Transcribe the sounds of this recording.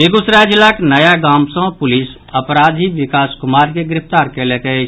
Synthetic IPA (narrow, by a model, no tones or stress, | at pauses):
eɡʊsɾaːd͡ʒlaknəjaɡaːmsə̃pʊlɪs | əpɾaːd̪ʱiʋɪkaːskʊmaːɾkeɡɾɪft̪aːɾkelekəe